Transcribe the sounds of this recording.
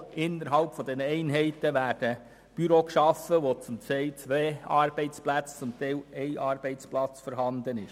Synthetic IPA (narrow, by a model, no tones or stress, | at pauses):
ɪnːəɾɦɑlpfɔd̪ɛnəɛɪnɦɛɪtəʋæːɾd̥ə | b̥yɾokʃɑfəʋot͡sʊmtɛɪlt͡sʋeːɑɾb̥ɛɪt͡splæt͡st͡sʊmt̪ɛɪlɛɪʔɑːɾb̥ɛɪt͡splɑt͡sfɔɾɦɑnd̪ənɪʃ